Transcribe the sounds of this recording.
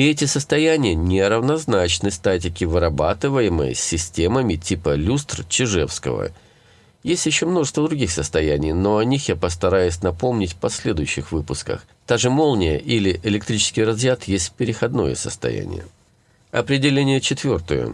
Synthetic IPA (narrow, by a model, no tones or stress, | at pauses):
ɪɛtʲɪsəst̪ɐjænʲɪjənʲɪɾəvnɐznat͡ɕnɨst̪at̬ʲɪkʲɪvɨɾɐba̰t̪ɨvəjɪmə̰jsʲːɪsʲtʲe̞məmʲɪtʲipəlʲust̪rt͡ɕɪʐɛfskə̰və̰ | jesʲtʲjɪɕːo̞mno̞ʐɨst̪vəd̪ɾʊɡʲixsəst̪ɐjænʲɪjno̞ɐnʲixjapəst̪ɐɾajʊsʲnɐpo̞mnʲɪtʲfpɐsʲlʲe̞d̪ʊjʉɕːɪxvɨpʊskə̰x | d̪̥aʐɨmo̞lˠnʲɪjəʔilʲɪʔɪlʲɪk̚t̪ɾʲit͡ɕɪ̥skʲɪjrɐzjat̪jesʲtʲfʲpʲɪɾʲɪxɐd̪no̞̰jə̰sə̰st̪ɐ̰jæ̰nʲɪ̰jə̰ | ɐ̰pɾʲɪdʲɪlʲenʲɪjət͡ɕɪt̪vʲo̞rt̪ə̰jʊ̰